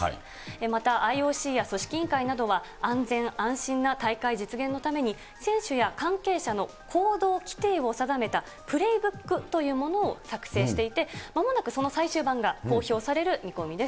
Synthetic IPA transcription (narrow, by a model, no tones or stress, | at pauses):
a̰ | emat̪aʔaio̞ːɕiːjaso̞ɕi̥kʲĩŋkainad̪o̞βa | ãnd͡zẽ̞ɰãɰ̃ɕĩnːat̪aikaid͡ʑit͡sɨɡẽ̞nːo̞t̪ame̞ɲ̟i | sẽ̞ɰ̃ɕɨjakãŋke̞ːɕano̞ | kʰo̞ːd̪o̞ːkʲi̥t̪e̞ːo̞sad̪ame̞t̪a | pɯ̟ɾe̞ibɯ̟kːɯ̟t̪o̞jɯ̟ːmo̞no̞ːsakɯ̟̥se̞ːɕi̥t̪e̞it̪e̞mamo̞nakɯ̟so̞no̞saiɕɨːbãŋɡako̞ːço̞ːsaɾe̞ɾɯ̟mʲikomʲid̪e̞s